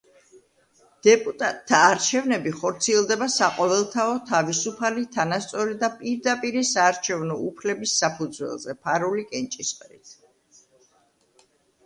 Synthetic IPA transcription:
d̪̥ɛpʼut̪ʼat̪ʰːaːɾt͡ʃʰɛvnɛbiχɔɾt̪sʰiɛlˠd̪ɛbasaqʼɔvɛlˠt̪ʰaɔt̪ʰavisupʰalit̪ʰanast̪sʼɔɾid̪apʼiɾd̪apʼiɾisaːɾt͡ʃʰɛvnɔupʰlɛbisːapʰud̪zwɛ̰lˠzɛpʰaɾulikʼɛnt͡ʃʼisqʼɾḭt̪ʰ

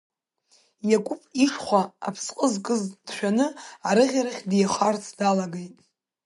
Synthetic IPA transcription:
jakʷʼʊpʼiʂχʷaa̰pʰsqʼəzkʼɨzd̥ʃᶣanɨaɾɨʁʲaɾaχʲdejaχʷart͡sʰdalaɡejtʼ

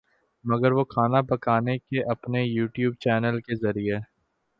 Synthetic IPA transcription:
mɐɡəɾʋokʰaːnapɐkaːnekeʔɐpnejuːʈjuːb̚t͡ʃɛːnəlkezɐɾie

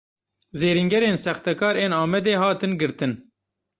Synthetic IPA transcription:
zeːɾiŋɡɛɾeːnsɛxt̪ɛkɑːɾeːnɑːmɛd̪eːhɑːt̪ɨnɡɨɾt̪ɨn

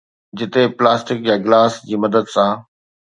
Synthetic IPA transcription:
d͡ʑɪt̪eplaːsʈɪkjaɡlaːsd͡ʑiːmɐd̪əd̪sã

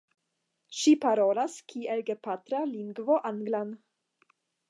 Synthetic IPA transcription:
ʃipaɾolaskʰielɡepat̪ɾaliŋɡvoʔaŋɡlan

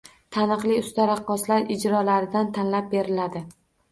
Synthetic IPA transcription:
t̪ʰanɨqlˠɪʊst̪aɾɑqːɒslaɾɪd͡ʒɾɒlaɾɪd̪ant̪ʰanlap̚be̞ɾɪlad̪ɪ

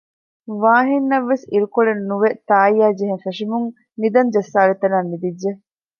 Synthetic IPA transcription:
ʋaːɦinːɐʋːesiɾukoɭennuʋet̪aːjaːd͡ʒeɦeŋfeʂimuŋ | nid̪ɐnd͡ʒɐsːaːlet̪ɐnaːnːid̪id͡ʒːe

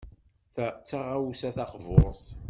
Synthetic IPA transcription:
t͡sːaʁawsæθɑqvoɾs

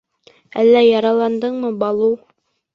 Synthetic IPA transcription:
ælːæjɑɾɑlˠɑnd̪ɤɴmɤbɑlˠuw

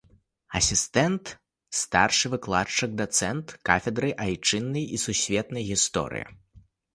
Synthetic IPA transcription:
ɐsʲist̪ɛnt̪ | st̪arʂɨvɨklˠat͡ʂɐk̚d̪ɐt̪sɛnt̪kafʲɛd̪ɾɨʔajt͡ʂɨnːɨjisusʲvʲɛt̪nɐjɣʲist̪ɔ̰ɾɨ̰jɐ̰

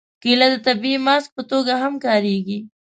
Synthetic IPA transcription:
kilad̪ət̪abiimɑsk̚pət̪oɡaɦamkɑɾeɡi

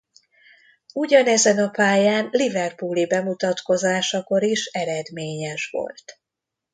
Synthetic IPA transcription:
uɟɒnɛzɛnɒpaːjaːnlivɛrpuːlibɛmut̪ɒt̪ko̞zaːʃɒko̞ɾiʃɛɾɛd̪meːɲɛʃʋo̞̰lt̪

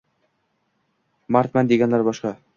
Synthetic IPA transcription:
maɾt̪̚mænd̪iɡænlæɾbɒʃqɑ

